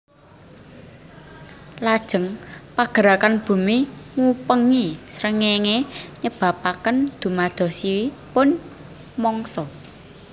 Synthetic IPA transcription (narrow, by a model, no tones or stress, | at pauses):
lad̥ʒ̥ə̤ŋpaɡ̥ə̤ɾakanb̥ṳmiŋupəŋisɾəŋeŋeɲəb̥a̤pakənd̪̥ṳmad̪̥ɔ̤siwipʊn | mɔŋsɔ